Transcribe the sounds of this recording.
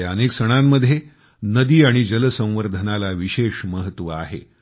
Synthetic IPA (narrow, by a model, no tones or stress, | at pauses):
əneksəɽ̃amːəd̪ʱje | nəd̪iːaɽ̃id͡ʑələsə̃w̃ʋəɾd̪ʱənalaʋiɕeʂməɦət̪ːʋəa̰ɦḛ